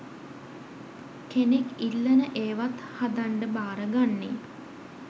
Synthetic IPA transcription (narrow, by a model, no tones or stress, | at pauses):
kenekilːənəʔeːʋat̪had̪aɳɖəbaːɾəɡanːḛ